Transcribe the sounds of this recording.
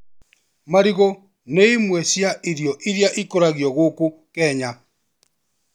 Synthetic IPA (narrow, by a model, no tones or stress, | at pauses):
maɾiɣɔ | neimwɛsjaʔiɾjɔʔiɾjaʔikoɾaɣjɔɣokokɛɲa